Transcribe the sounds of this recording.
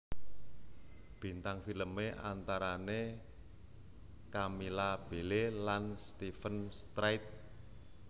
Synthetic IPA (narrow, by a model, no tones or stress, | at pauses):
b̥i̤nt̪aŋfiləmeʔa̰nt̪aɾane | kamilab̥e̤lelanst̪ifənst̪ɾajt̪̚